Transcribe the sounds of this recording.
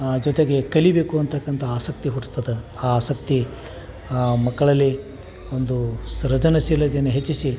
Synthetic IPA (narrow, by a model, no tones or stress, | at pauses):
d͡ʒɔt̪eɡe̞kɐlibe̞ːkuɐnt̪ʰɐkːɐnt̪ʰɐaːsɐk̚t̪iɦuʈst̪ːɐd̪eaːaːsɐkt̪i | mɐkːɐɭɐlːi | ond̪usɾɐd͡ʒɐnɐsilɐd͡ʒ̪eneɦet͡ʃːisi